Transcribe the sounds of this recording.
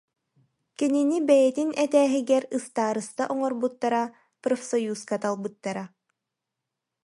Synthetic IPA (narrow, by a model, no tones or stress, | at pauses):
kininibɛjɛt̪inɛt̪æːɦiɡɛɾɯst̪aːɾɯst̪aʔɔŋɔɾbut̪ːaɾa | pɾɔfʲsɔjuːskat̪alˠbɯt̪ːaɾa